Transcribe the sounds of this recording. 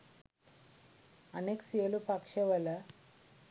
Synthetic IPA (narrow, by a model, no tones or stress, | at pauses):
əneksiəlupakʂeʋələ